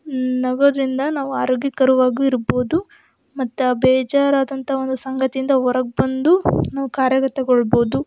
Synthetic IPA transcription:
nɐɡoːd̪ɐɾind̪ɐnaːʋuaːɾoːɡjikɐɾuʋaːɡuiɾbo̞ːd̪u | mɐt̪ːuabɛːd͡ʒaːɾaːd̪ɐnt̪ɐɦɐo̞nd̪usɐŋɡɐt̪ijind̪ɐɔɾɐɡ̚bɐnd̪unaːʋukaːɾjɐkɐt̪ːɐɡɔɭbo̞ːd̪u

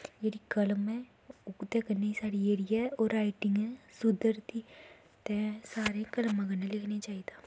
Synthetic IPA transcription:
jeɾikələmɛ̃ | ʊkt̪ekəɾneisaːɽieːɾijaoːɾaːɪʈɪŋɡɛsʊd̪əɾt̪i | t̪ɛ̃ːsaːɾẽkəlmãɡənẽlɪkʰnet͡ʃaːid̪aː

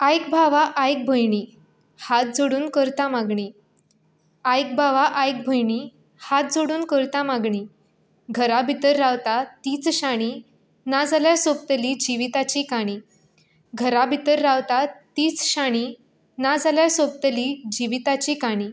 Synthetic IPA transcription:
ajk̚bʱaʋaʔajk̚bʱəjɳiː | hat̪̚d͡zoɽuːnkəɾt̪amaɡɳiː | ajk̚bʱaʋaʔajk̚bʱəjɳi | hat̪̚d͡zoɽuːnkəɾt̪amaɡɳiː | ɡʱəɾabʱit̪əɾːaʋt̪at̪iːt͡sɕaɽ̃i | nad͡zaljasop̚t̪əlid͡ʑiʋit̪at͡ɕikaɽ̃iː | ɡʱəɾabʱit̪əɾːaʋt̪at̪iːt͡sɕaɽ̃i | nad͡zaljasop̚t̪əlid͡ʑiʋit̪at͡ɕikaɽ̃iː

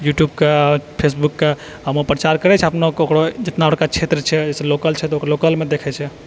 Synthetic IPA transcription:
juʈjubkapʰes̬bukːa | əmopɾət͡ʃaɾkəɾɛt͡ʃʰɛəpnokokɾod͡ʒet̪naɦoʈkat͡ʃʰet̪ɾət͡ʃʰɛd͡ʒɛselokəlt͡ʃʰɛt̪ɔokɾlokəlmed̪ekʰɛt͡ʃʰɛ

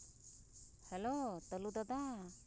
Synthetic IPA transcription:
hɛlot̪ɔlud̪ɔd̪a

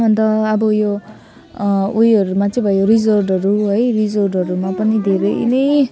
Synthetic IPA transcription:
ʌnt̪ʌːbʌjo | ujʌɾumat͡sʰʌ̃bʱʌjjorid͡zʌrɖʌɾuɦojrid͡zʌrɖʌɾumapʌnid̪ʱeɾʌj̰nʌj

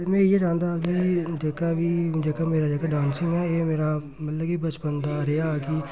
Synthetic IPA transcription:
mɛ̃ːijeːd͡ʒãːnd̪aːɡiːd͡ʒeːkaːʋiːd͡ʒeːkaːmeːɾaːd͡ʒeːkaːɖãːnsɪŋɡɛːeːmeːɾaː | mət̪ləiːbət͡ʃbənd̪aːɾeaːɡiː

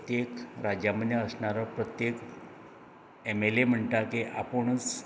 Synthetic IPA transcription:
t̪jekɾad͡ʑjamənjaəsɳaɾapɾət̪jek | emelem̤əɳʈ̪akeʔapəɳ̃t͡s

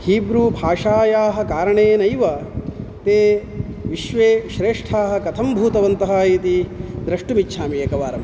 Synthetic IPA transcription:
hiːbɾuːbʱaːʂaːjaːɦɐ̆kaːɾɐɳeːnɐjʋɐt̪eː | ʋiʃʋeːʃɾeːʂʈʰaːɦɐ̆kɐt̪ʰɐmbʱuːt̪ɐʋɐnt̪ɐɦaːjit̪id̪ɾɐʂʈumitːʃʰaːmijɐkɐʋaːɾɐm

